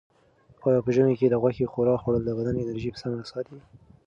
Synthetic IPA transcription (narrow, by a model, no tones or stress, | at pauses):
ɑjɑpəʒəmeked̪əɣwaxexoɾɑxoɽəld̪əɣad̪anɪnaɾʒipə̥samɾasɑt̪i